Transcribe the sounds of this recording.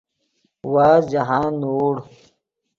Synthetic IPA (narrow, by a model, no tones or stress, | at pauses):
waːd͡ʑaɦãːnoːɽ